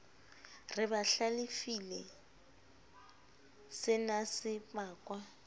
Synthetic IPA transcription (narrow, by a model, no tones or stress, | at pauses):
rɪbaɬalɪfilɛ | sɪnasɪpʼaːkʼwa